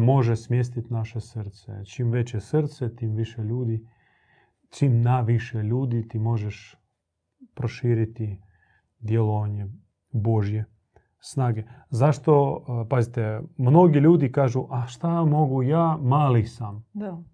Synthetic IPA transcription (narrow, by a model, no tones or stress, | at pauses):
moʒɛsmʲjes̬t̪it̪naʃɛsərɾt̪sɛ̰t͡ʃimʋɛt͡ɕɛsrɾt̪sɛt̪imʋiʃɛʎʲuːd̪i | t͡ʃimnaʋiʃɛlʲuːd̪it̪imoʒɛʃ | pɾoʃiːɾit̪i | d̪jelˠoʋaɲɛ | boʒje | snaːɡɛzaʃt̪opazit̪ɛmnoɡiʎʲuːd̪ikaːʒuʔaʃt̪amoɡujamaːlisam